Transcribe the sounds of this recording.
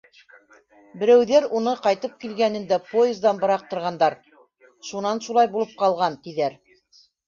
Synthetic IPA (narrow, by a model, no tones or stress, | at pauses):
bɘ̆ɾæwðæɾunɤqɑjt̪ɤp̚kilɡænɘ̆nd̪æpoɪzd̪ɑnbɤ̆ɾɑq̚t̪ŏɾʁɑnd̪ɑɾ | ʃunɑnʃulˠɑjbulˠɤp̚qɑlˠʁɑnt̪iðæɾ